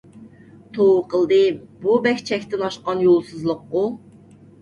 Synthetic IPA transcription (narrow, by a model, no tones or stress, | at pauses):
t̪ʰowqʰəlˠd̪ɨbubɛkʲt͡ʃʰɛkʲt̪ɪnɑʃqɑnjolˠsɨzlˠʊqːʊ